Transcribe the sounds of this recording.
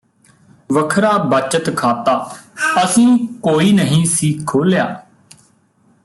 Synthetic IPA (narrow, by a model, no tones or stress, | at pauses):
ʋəkʰɾaːbət͡ʃət̪kʰaːt̪aːəsĩːkoːiːnəɦĩːsiːkʰːoːljaː